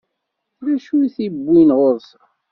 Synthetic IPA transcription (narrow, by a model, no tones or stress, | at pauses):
ɾæʃuθibːinʁoɾθ